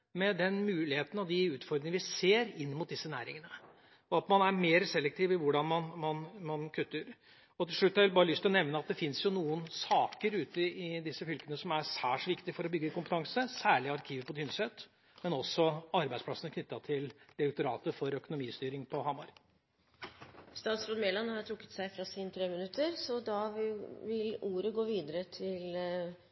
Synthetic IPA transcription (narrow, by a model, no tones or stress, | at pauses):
mɛd̪ɛnmʉːlɪheːt̪ən̩ɑɔd̪ɪʉːt̪fɔɾɾɪŋəʋɪseːɾɪnːmʊt̪̚d̪ɪsːənæ̰ːɾɪ̰ŋənə | ɔɑt̪mɑnæɾmeːɾsɛlːɛk̚t̪ʰɪːʋɪʋʊɖɑnmɑnmɑnmɑnkʰʉt̪ːəɾ | ɔt̪ʰɪlʂɭʉt̪ːɑɾʋɪlbɑːɾəlʏst̪ɪlɔnɛʋnəɑt̪̚d̪ɛfɪnsjʊnuːənsɑːkəɾʉːt̪əɪd̪ɪsːəfʏlkənəsɔmæɾsæːʂʋɪkt̪ɪfɔɾɔbʏɡːəkʊmpət̪ɑŋsəsæːɭɪɑɾkʰiːʋəpɔt̪ʰʏnsɛt̪ː | mɛnɔsɔɑɾbæɪsplɑsənəkʰnʏt̪ːɑt̪ʰɪld̪̥ɪɾɛk̚t̪ʊɾɑːt̪əfɔɾœkʊnʊmiːst̪yːɾɪŋpʰɔhɑmɑɾ | st̪ɑːt̪sɾɔːd̪meːlɑnhɑɾt̪ʰɾʊkːə̥t̪sæɪfɾɑsiːnət̪ʰɾeːmənʉt̪ːəɾsɔd̪ɑʋɪluːɾəɡoːʋiːd̪əɾət̪ʰɪl